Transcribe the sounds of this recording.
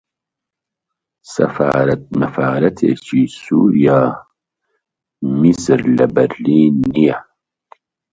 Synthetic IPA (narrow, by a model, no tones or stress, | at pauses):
sɐ̰fa̰ːɾɐt̪̚mɐfaːɾɐt̪ʰḛːt͡ʃʰisuːɾijaː | misɾlɐbɐɾliːnːija